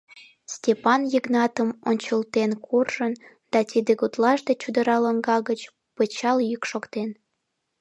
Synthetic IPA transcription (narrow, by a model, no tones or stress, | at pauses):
stʲepɑnjəɣnɑt̪əmonʲt͡ɕəlt̪enkʰurʒən | d̪̥ɑt̪ʲid̪eɣut̪lɑʃd̪et͡ɕud̪əɾɑləŋɡɑɣət͡ɕ | pət͡ɕɑljykʃokt̪en